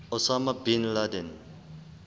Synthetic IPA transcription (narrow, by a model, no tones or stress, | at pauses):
osamabinladen